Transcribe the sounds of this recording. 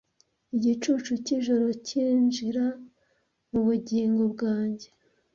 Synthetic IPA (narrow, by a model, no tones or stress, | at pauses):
iɟit͡ʃuːt͡ʃuciʒo̞ɾo̞ciːnʒiɾa | muβuɟiːŋɡo̞bɡaːɲɟe